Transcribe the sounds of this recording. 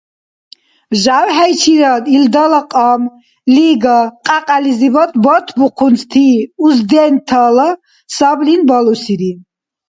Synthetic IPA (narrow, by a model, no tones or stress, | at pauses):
ʒawɦɛjt͡ʃʰiɾad̪ild̪alaqʼɔm | liɡaqʼaqʼalizibɔt̪ʰbɔt̪ʰbuqʰunst̪ʰiuzd̪ɛnt̪ʰala | sablinbɔlusiɾi